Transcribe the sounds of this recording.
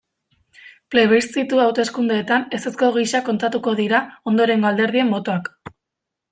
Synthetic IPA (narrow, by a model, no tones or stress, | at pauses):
plejβ̞ist̪it̪uawt̪e̞skund̪eːt̪ane̞se̞sko̞ɣ̞iʃako̞nt̪at̪uko̞ðiɾao̞nd̪o̞ɾe̞ŋɡo̞ald̪e̞ɾðie̞mːo̞t̪oak